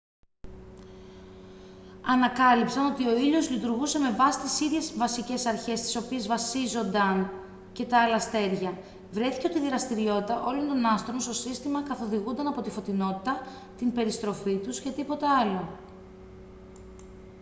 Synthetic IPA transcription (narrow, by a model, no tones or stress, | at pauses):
ɐnɐkɐlipsɐno̞t̪io̞iʎo̞zlit̪uɾɣuse̞me̞vɐsi̥t̪isiðʝe̞zvɐsice̞sɐɾçe̞st̪i̥so̞pie̞zvɐsizo̞nd̪ɐn | ce̞t̪ɐɐlɐst̪e̞ɾʝɐ | vɾe̞θi̥ceo̞t̪iðiɾɐst̪iɾio̞t̪it̪ɐʔo̞lo̞nt̪o̞nɐst̪ɾonst̪o̞sist̪imɐkɐθo̞ðiɣund̪ɐnɐpo̞t̪ifo̞t̪ino̞t̪i̥t̪ɐ | t̪inbe̞ɾist̪ɾo̞fit̪uscet̪ipo̞t̪eɐlo̞